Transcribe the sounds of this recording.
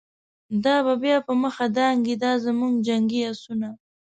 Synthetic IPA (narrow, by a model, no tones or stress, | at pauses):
d̪ɑβabjɑpəməxad̪ɑŋɡid̪ɑzəmuŋɡd͡ʒaŋɡiasuna